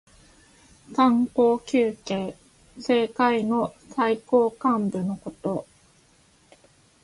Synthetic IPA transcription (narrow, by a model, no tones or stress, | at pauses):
kãŋko̞ːkʲɨːke̞ː | se̞ːkaino̞saiko̞ːkãmbɯ̟no̞ko̞t̪o̞